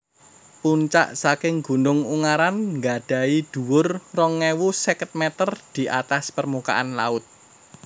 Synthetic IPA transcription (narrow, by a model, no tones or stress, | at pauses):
puɲt͡ʃa̰ʔsakɪŋɡṳnʊŋuŋaɾanŋɡaɖ̥a̤id̪̥ṳwʊrrɔŋːewusɛkət̪̚mɛt̪ərd̪̥i̤ʔat̪aspərmuka̰ʔanla̰ʊt̪̚